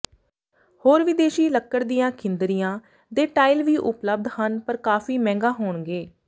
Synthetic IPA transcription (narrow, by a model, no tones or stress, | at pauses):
hoːɾʋɪd̪eːʃiːləkːəɾd̪ijãːkʰɪnd̪əɾijãː | d̪eːʈaːɪlʋiːʔʊpləb̚d̪hənpəɾkaːfiːmɛ̃ːŋɡaːɦoːɳɡeː